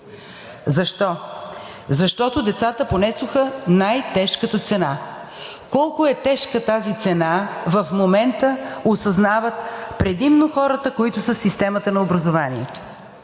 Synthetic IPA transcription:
zɐʃt̪ɔ | zɐʃt̪ɔt̪od̪ɛt̪sat̪əponɛsʊxənajt̪ɛʃkət̪ət̪sɛna | kɔlˠkʊɛt̪ɛʃkət̪azit̪sɛnavɐfmomɛnt̪əosɐznavət̪̚pɾɛd̪imnoxɔɾət̪əkoit̪ʊsəfsist̪ɛmət̪ənɐobɾɐzovaniɛt̪o̥

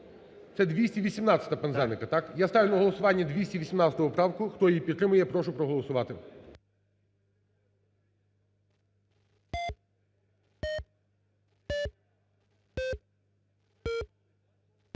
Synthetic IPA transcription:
t̪sɛd̪ʋʲisʲtʲiʋʲisʲimnɑt̪t͡sʲɐ̥t̪ɐpɛnzɛnɪkɐt̪ɑkjast̪ɑʋʲinɐɦɔlˠɔsʊʋɑnʲːɐd̪ʲʋʲisʲtʲiʋʲisʲimnɑt̪sʲət̪ɔʋɔpɾɑwkʊxt̪ɔjijpʲid̪t̪ːɾɪmʊjɛpɾɔʃʊpɾɔɦɔlˠɔsʊʋɑt̪ɪ

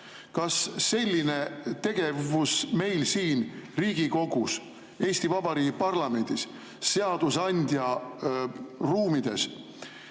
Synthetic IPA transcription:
kɑsːe̞lʲːine̞t̪e̞ɡ̥e̞vusme̞jlsiːnriːɡ̥iko̞ɡ̥us | e̞ːsʲt̪ivɑb̥ɑɾiːɡipɑrlɑme̞nʲd̪̥isː | e̞ɑd̪̥usɑnʲd̪̥ʲjɑ | ruːmid̪̥e̞s

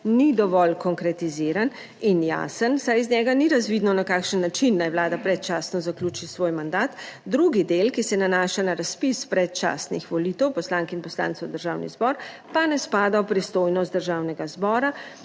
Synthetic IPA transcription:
nid̪ɔʋɔlkɔŋkɾɛt̪iziɾan | inja̰ːsənsajiznɲɛɡaniɾazʋid̪nɔnakaːkʃənːat͡ʃinːajʋlaːd̪apɾɛt̪̚t͡ʃaːsnɔzaklʲut͡ʃisʋoːjmand̪aːt̪d̪ɾuɡid̪elkisɛnanaːʃanaɾaspispɾɛt̪̚t͡ʃa̰ːsnixʋɔlit̪ɛwpɔslaːŋkinpɔsla̰ːnt̪sɛwd̪əɾʒaːwnḭzbɔɾ | panɛspaːd̪awpɾist̪oːjnɔst̪̚d̪əɾʒawnɛɡazbɔːɾa

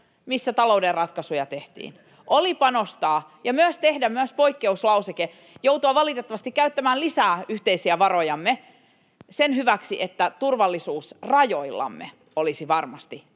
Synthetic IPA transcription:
misːæt̪ɑlouderrɑt̪kɑsujɑt̪e̞ht̪ḭːn | ʔolipɑnost̪ɑːjɑmyøst̪e̞hdæmyæspoikːeuslɑwseke | jowt̪uɑʋɑlit̪et̪ːɑʋɑst̪ikːæyt̪ːæmæːlisæːyht̪e̞isiæʋɑro̞jɑmːe | senɦyʋæksiʔet̪ːæt̪urʋɑlːisuːsrɑjo̞ilːɑ̰mːḛ | olisiʋɑrmɑst̪i

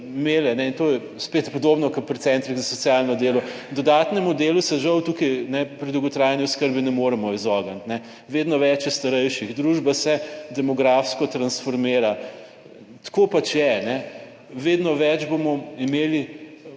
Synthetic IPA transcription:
meːlɛnɛint̪oːjɛ | spet̪pɔd̪oːbnɔkɐpɾit̪sɛnt̪ɾiɣzɐsɔt̪sjalnɔd̪eːlɔd̪ɔd̪aːt̪nɛmud̪eːlusɛʒɐwt̪uːkijnɛpɾid̪ɐwɡɔt̪ɾaːjanjuskəɾbinɛmoɾɛmɔizɔɡant̪nɛ | ʋeːd̪nɔʋɛt͡ʃjɛst̪ɐɾɛjʃiɣd̪ɾuʒbasɛd̪ɛmɔɡɾafskɔt̪ɾɐnsfɔɾmeːɾa | t̪kopat͡ʃjɛnɛ | ʋeːd̪nɔʋɛd͡ʒbomɔimeːli

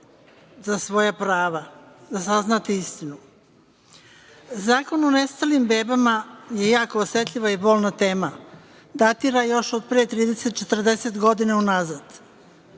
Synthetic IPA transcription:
zasʋo̞japɾaːʋazasaznat̪iist̪inu | zaːko̞none̞st̪alimbe̞ːbamaje̞jaːkoːsje̞t̪lʎʲiʋaibo̞ːlˠnat̪eːma | d̪at̪iɾajo̞ʃod̪̚pɾeːt̪ɾiːd̪e̞se̞t̪̚t͡ʃe̞t̪r̩d̪e̞set̪ɡo̞d̪inaunazad̪̥

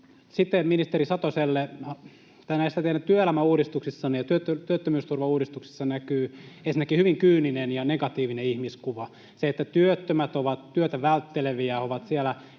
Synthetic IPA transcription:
sit̪ːeminist̪erisɑt̪oselːe | t̪ɑinæist̪æt̪ehnætt̪yøelæmæuːdist̪uksisːɑnijɑt̪yøt̪ːøt̪yøt̪ːømyːst̪urʋɑuːdist̪uksi̥sːɑnækyːensinekihyʋiŋkyːninenjɑneɡɑt̪iːʋineihmiskuʋɑ | seet̪ːæt̪yøt̪ːømæt̪oʋɑt̪tyøt̪æʋælt̪ːeleʋiæoʋɑt̪sielæ

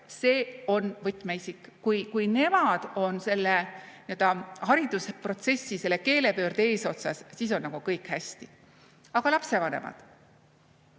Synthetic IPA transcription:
se̞ːo̞nvɤt̪ːˑmeisikˑkujkujne̞mɑd̪̥o̞nse̞lːeniø̞ld̪̥ɑhɑɾid̪̥uspro̞t̪se̞sːise̞lːeke̞ːle̞pø̞ːrd̪e̞ːso̞t̪sɑssis̬o̞nːɑɡ̥ukɤjkhæsʲt̪i | ɑɡ̥ɑlɑpse̞vɑne̞̰mɑ̰d̪̥

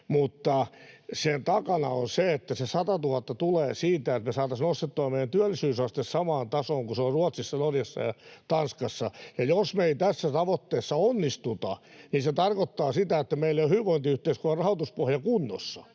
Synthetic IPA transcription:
mut̪ːɑsent̪ɑkɑnɑ̰onseet̪ːæsesɑt̪ɑt̪uhɑt̪ːɑt̪uleːsiːt̪æet̪mesɑːt̪ɑsnost̪et̪ːuɑmmeijˑænt̪yælːisyːsɑst̪essɑmɑːnt̪ɑsoːŋkuseorruɑt̪sisːɑnorjɑsːɑ̰jɑt̪ɑnskɑsːɑjɑjosmeit̪æsːæt̪ɑʋot̪ːeːsːɑonːist̪ut̪ɑninset̪ɑrkot̪ːɑːsit̪æet̪ːæmeilːejohyːʋoint̪iyht̪eiskuɑrɑhot̪uspohjɑkunːo̰sːɑ

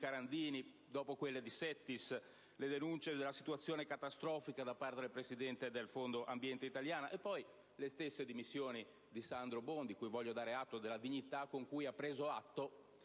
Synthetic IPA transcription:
kaɾand̪iːni | d̪ɔːpokwelːed̪isɛt̪ːis | led̪enunt͡ʃed̪elːasi̥t̪uat̪sːjoːnekat̪ast̪ɾɔːfikad̪apːaɾrt̪ed̪elpɾesid̪ɛnt̪ed̪elfond̪oʔambjɛnt̪eit̪aljaːnaʔepːɔj | lest̪esːed̪imisːjoːni | d̪isand̪ɾobond̪ikujvɔʎːod̪aːɾeat̪ːod̪elːad̪iɲːit̪akːoŋkujapːɾeːzoat̪ːo

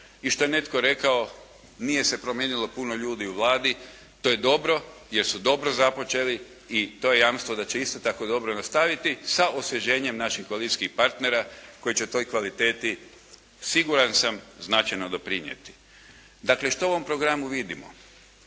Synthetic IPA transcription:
iʃt̪o̞jene̞t̪ko̞ɾe̞kao̞ | nije̞se̞pɾomjeːnilo̞puno̞ʎuːd̪iuʋlˠaːd̪i | t̪o̞je̞d̪o̞bɾo̞ | je̞ɾsud̪o̞bɾo̞zapo̞t͡ʃe̞li | it̪o̞ːje̞jamst̪ʋod̪at͡ɕe̞ist̪o̞t̪ako̞d̪o̞bɾonast̪aʋit̪isaʔosʋeʒe̞ːɲe̞mnaʃixkoalit̪i̥sʲkixpaɾt̪ne̞ɾako̞jit͡ɕet̪o̞jkʋalit̪e̞ːt̪i | siɡuɾansamznat͡ʃajnod̪o̞pɾiɲjḛt̪i̥ | d̪akle̞ʃt̪ouʋo̞mpɾo̞ɡɾamuʋid̪imo̰

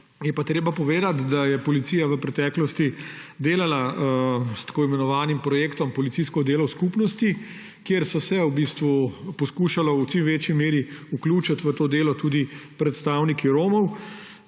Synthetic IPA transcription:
jɛpat̪ɾeːbapɔʋeːd̪at̪d̪ajɛpɔlit̪iːjaʋəpɾɛt̪ɛːklɔst̪id̪eːlala | st̪ḁkoːimɛnɔʋaːnimpɾɔjeːkt̪ɔmpɔlit̪siskɔd̪eːlɔwskupnɔst̪i | kjeɾsɔsɛubist̪ʋupɔskuːʃalɔwt͡ʃimʋeːt͡ʃjimeːɾiukluːt͡ʃat̪ʋət̪oːd̪eːlɔt̪uːd̪ipɾɛt̪st̪aːwnikiɾoːmɔw

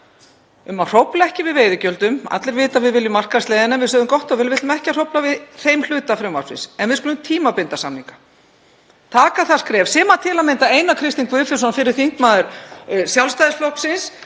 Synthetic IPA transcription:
ʏmar̥owplaɛhcɪvɪðveːjðʏcœlt̪ʏma̰t̪lɪɾvɪːt̪avɪðvɪljʏmar̥kast̪lɛjðɪnaɛnvɪðsœːðʏmkɔht̪ɔvɪlvɪt̪ʏmɛhcar̥owplavɪðθejml̥ʏːt̪afɾɛmva̰wsvɪ̰nsɛnvɪðsɔlʏmt̪ʰiːmapɪnt̪asamniŋkḁ | t̪ʰaːkaθḁskɾɛːv̥sɛːmat̪ʰɪːlament̪aeːjnakʰɾɪst̪iŋkvʏfɪ̥sɔnfɪɾɪɾ̥θiŋ̥kmaːðʏɾ̥sjawlst̪ajðɪsflɔhksɪns

